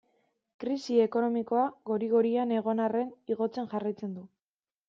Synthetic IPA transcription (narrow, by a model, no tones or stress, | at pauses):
kɾisie̞ko̞no̞miko̞aɣo̞ɾiɣoɾiane̞ɣ̞o̞nare̞niɣo̞t͡se̞nʝarajt͡se̞nd̪u